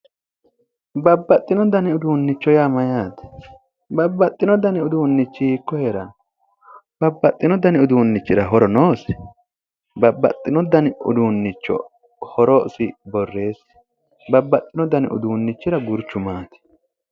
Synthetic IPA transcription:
bɐbːɐt̪ʼːɪnɔd̪ɐnɪʊd̪uːnːɪt͡ʃːɔjaːmɐjaːt̪ɛ̥ | bɐbːɐt̪ʼːɪnɔd̪ɐnɪʊd̪uːnːɪt͡ʃːɪɪkːɔheːɾɐn | bɐbːɐt̪ʼːɪnɔd̪ɐnɪʊd̪uːnːɪt͡ʃːɪɾɐɦɔɾɔnoːsɛ̥ | bɐbːɐ̰t̪ʼːɪnɔd̪ɐnɪʊ̰d̪uːnːɪt͡ʃːɔ̰ | hɔɾɔsɪbɔrːe̞ːs | bɐbːɐt̪ʼːɪnɔd̪ɐnɪʔʊ̰d̪uːnːɪt͡ʃːɪɾɐɡʊɾt͡ʃːʊmaːt̪ɛ̥

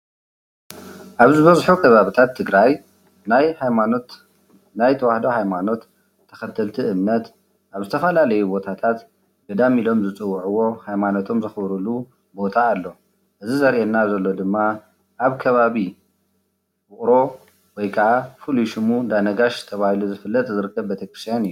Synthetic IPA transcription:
ʔaβzɨβɐzħukʰɐβaβit̪ʰat̪ʰːɨɡɾaj | najhajanot | najt̪ʰɐwahd̪ohajmano̞t̪ʰː | ɐ̥xɐt̪ʰɐlt̪ʰiʔɨmnɐt̪ | ʔaβzɨt̪ʰɐfɐlalɐjubo̞t̪ʰat̪ʰat̪ | ɡɐd̪amilo̞mzɨt͡sʼɨwːuʕuwo̞hajmano̞t̪ʰo̞mzɨxbɾulu | bo̞t̪ʰaːlːo̞ | ʔɨzizɐɾʔenːazɐlːo̞d̪ɨmːa | ʔaβkʰɐβaβi | wʊkʼɾo̞ | wɔjkʰɐʕafuluʃɨmud̪anɐɡaʃt̪ʰɐβahiluzɨfɨlːɐt̪ʼzɨɾɨkʰːɐβbet̪ʰɐkɾɨst̪ʰjanɨjːu

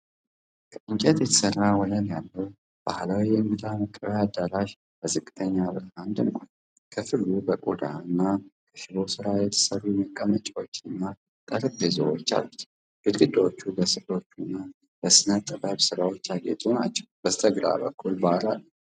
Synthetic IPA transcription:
kʰəʔɨŋt͡ʃʼɛt̪jɛt̪ʰə̥sərːawɔlənjalːəw | b̥ahlawijɛmɡɨd̪aməkʼːəβjad̪ːaɾaʃ | b̥əzɨkʼːɨt̪ʰəɲːaβɨɾhand̪əŋkʷʼan | kʰəfɨɾlubəkʼod̪a̰ɨnːakʰəʃɪβosɨɾajɛt̪ʰə̥sərːuɛməkʼːəmət͡ʃʼawot͡ʃːɪnːa | t̪ʼəɾɨbezo̰wo̰t͡ʃːa̰lːut̪ | b̥ɨd̪ɡɨd̪ːawot͡ʃːubəsɨlo̞t͡ʃːunːa | b̥əsɨnət̪ʼːəbaβsɨɾawo̞t͡ʃːaɡḛt̪ʼuna̰t͡ʃːɛ̥wb̥əst̪ʰʼəɡɾa̰bə̰kʰːulbalalːə

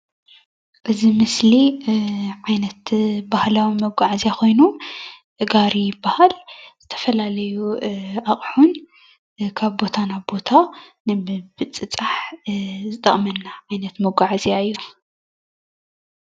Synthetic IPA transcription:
ʔɨzimɨsli | ʕajnɐt̪bahlawimɐɡʷaʕzijakʰo̞jnuʔɨɡaɾibahalz̥ɨt̪ʰɐ̥fɐlalɐjuʔaχʼħun | kʰaβbo̞t̪ʰanaβbo̞t̪ʰanɨbɨt͡sʼɨt͡sʼaħzɨt̪ʼɐχʼmɐnːaʕajnɐt̪mɐɡʷaʕzjaɨjːu

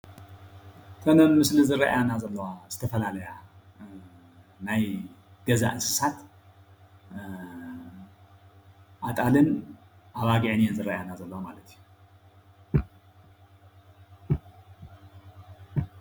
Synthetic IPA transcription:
t̪ʰonɐmmɨslizɨɾɐʔjanazɐlːɐwaz̥ɨt̪ʰɐfɐlalɐja | najɡ̥ɐza̰ʔɨsɨ̥sat̪ | ʔat̪ʼalɨn | ʔaβaɡiʕnezɨrɐʔjanazɐlːɐwamalɐt̪ʰiju

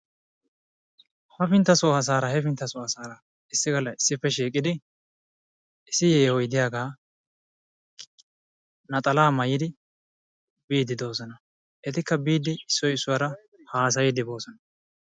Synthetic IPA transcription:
hɐfɪnt̪ːɐsʊɐs̬aːɾɐhɛfɪnt̪ːɐsʊɐsaːɾɐ | ɪsːɪɡɐlɐɪsːɪpːɛʃ̬iːkʼɪd̪ɪ | ɪsːɪjeːhɔjd̪ɪjaːɡaː | nɐt̪ʼɐlaːmɐjɪd̪ɪ | biːd̪ɪd̪o̞ːsɔnɐ | ʔɛt̪ɪkːɐbiːd̪ːɪɪsːɔjɪsːʊwɐɾɐ | haːs̬ɐjɪd̪ɪbo̞ːsɔnɐ

